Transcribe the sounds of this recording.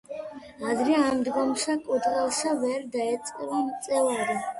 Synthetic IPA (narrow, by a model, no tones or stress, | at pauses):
ad̪ɾɛamd̪ɡɔmsakʼud̪ʁɛlˠsavɛɾd̪aɛt̪sʼqʼɛvant̪sʼɛvaɾi